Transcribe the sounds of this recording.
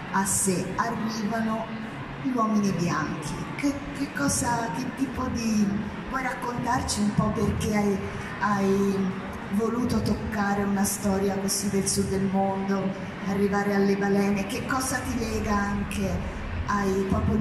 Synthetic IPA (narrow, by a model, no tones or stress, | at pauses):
asːearːiːvano | ʎwɔːminibjaŋk̟ʰḭke | kekːɔːzak̟et̪ːiːpod̪i | pwɔjɾakːont̪art͡ʃiumpɔpːerkeaj | aj | voluːt̪ot̪okːaːɾeunast̪ɔːɾjakesid̪elsud̪ːelmond̪o | arːivaːɾealːebalɛːnekekːɔːzat̪ilɛːɡaaŋke | ajpɾɔːpo